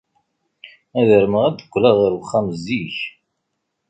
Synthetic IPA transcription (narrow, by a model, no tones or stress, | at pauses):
æðəɾməʁæd̪ə̥kʷːlæðəɾwχːæmzːiç